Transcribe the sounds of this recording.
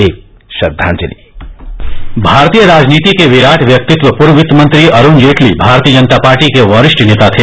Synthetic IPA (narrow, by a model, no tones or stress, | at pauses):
eːk̚ | ʃɐd̪ʱːã̰ːnt͡ʃənḭ | bʱaːɾt̪ijəɾaːd͡ʒniːt̪ikeʋɪɾaːʈʰʋjɐk̚t̪ɪt̪ʋəpʊɾʋɪt̪mɐ̃nt̪ɾiʔɐɾund͡ʒeːʈʰlḭbʱaːɾt̪ijəd͡ʒɐnt̪apaːɾʈikeʋɐːɾɪʃʈneːt̪at̪ʰe